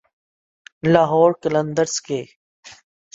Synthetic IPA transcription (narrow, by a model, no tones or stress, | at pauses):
laːɦɔːɾkələ̃nd̪əɾskeː